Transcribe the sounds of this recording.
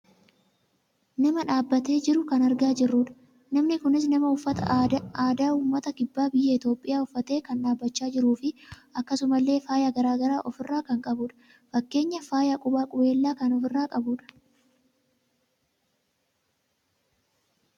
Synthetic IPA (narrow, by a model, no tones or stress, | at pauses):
nɐmɐᶑaːbːɐt̪e̞ːd͡ʒɪɾʊkɐnɐɾɡaːd͡ʒɪrːuːᶑɐ̥ | nɐmnɪkʊnɪs̬nɐmɐʊfːɐt̪ɐaːd̪aːuːmːɐt̪ɐkɪbːaːbɪjːɐɪt̪o̞ːpʼːɪjaːʊfːɐt̪e̞ːkɐnᶑaːbːɐt͡ʃːaːd͡ʒɪɾuːfɪʔɐkːɐsʊmɐlːe̞ːfaːjaːɡɐɾaːɡɐɾaːʔɔfɪrːaːkɐŋkʼɐbuːᶑɐ̥ | fɐkːe̞ːɲːɐfaːjakʼʊbaːkʼʊbe̞ːlːaːkɐnɔfɪrːaːkʼɐbuːᶑɐ̥